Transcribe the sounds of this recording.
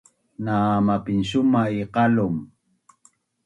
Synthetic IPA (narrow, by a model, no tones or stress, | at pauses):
naːmapɪnsʊmaiqɑlʊm